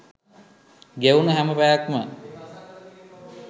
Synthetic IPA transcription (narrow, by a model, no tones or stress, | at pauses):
ɡeunəɦæməpæjakmə